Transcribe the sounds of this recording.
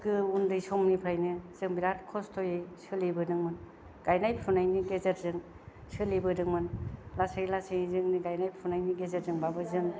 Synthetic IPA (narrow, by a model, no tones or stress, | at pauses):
ɡɯundɯjsɔmnipʰɾajnɯz̥ɯŋbiɾatkʰɔstʰojejsɯlibɯdɯŋmɯn | ɡ̥ajnajppʰunajniɡezeɾzɯŋ | sɯlibɯdɯŋmɯnlasajlasɯjizɯŋniɡajnajpʰunajniɡezeɾzɯŋbabɯzɯŋ